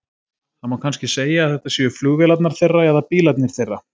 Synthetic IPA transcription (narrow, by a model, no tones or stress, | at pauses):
hanmawkʰanscɪseːjaːθɛht̪asjʏfluːɣvɛlat̪naɾ̥θejrːaɛðapiːlat̪̚nɪɾ̥θejrːa